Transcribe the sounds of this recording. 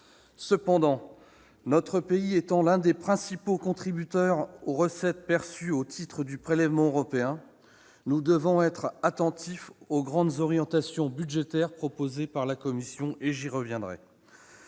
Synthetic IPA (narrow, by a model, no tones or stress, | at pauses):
səpɑ̃d̪ɑ̃ | nɔt̪χəpeiɛt̪ɑ̃lɛ̃d̪epχɛ̃sipokɔ̃t̪χibyt̪œʁoʁəsɛt̪̚pɛʁsyot̪ʰit̪χəd̪ypχelɛvmɑ̃øʁɔpeɛ̃ | nud̪əvɔ̃ɛt̪χat̪ɑ̃t̪ifoɡʁɑ̃d̪zɔʁjɑ̃t̪asjɔ̃byd̪ʒet̪ɛʁpχɔpozepaʁlakɔmisjɔ̃ʔeʒiʁəvjɛ̃d̪ʁɛ̰